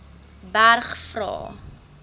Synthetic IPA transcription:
bærχfrɑ̰ː

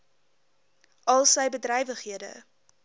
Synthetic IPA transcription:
ʔɐlˠsəjbədrɛjvəχiədə̰

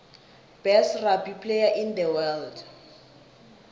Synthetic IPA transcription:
b̥ɛsrabipʰlejaʔind̪əwɛld

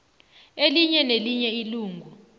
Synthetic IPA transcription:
eliɲɛneliɲɛiluːŋɡʱu

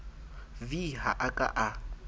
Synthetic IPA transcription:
viɦaʔakʼa̰ʔa

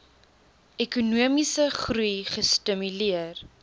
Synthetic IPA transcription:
ɛkunuəmisəχɾujχəstəmyliər

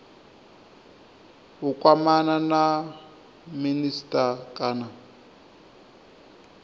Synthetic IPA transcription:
ukʼwamanana | ministʼakʼana

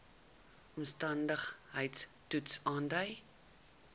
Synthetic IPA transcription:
ɔmstɐndəχɦəjtstutsɑːndəj

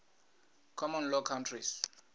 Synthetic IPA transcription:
kʰɔmɔnlɔkʰantʰris

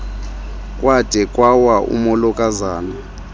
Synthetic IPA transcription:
kʼwad̥ʱɛkʼwawaʔṵmɔlɔkʼazaːna

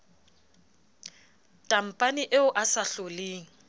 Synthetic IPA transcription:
tʼam̩pʼanɪʔeʊʔasaɬoleːŋ̩

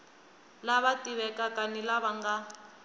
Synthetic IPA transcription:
laβatʼiβɛkakʼanilaβaŋɡa

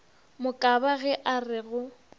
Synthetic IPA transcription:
mʊkʼabaɣɛʔarɪɣʊ

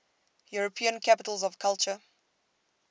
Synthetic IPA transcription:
juɹəpʰiə̃nkʰapɪtəlzɔv̥kʰalˠt͡ʃə

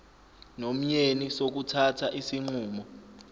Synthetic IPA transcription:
nom̩ɲenisok̬utʰatʰaʔisiŋ͡ǃuːmɔ

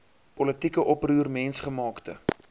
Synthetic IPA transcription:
pɔlətikəʔɔpruːrmɛnsχəmɑːktə

